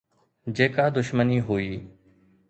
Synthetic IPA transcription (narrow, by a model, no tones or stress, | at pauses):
d͡ʒeːkaːd̪ʊʃməniːɦoːiː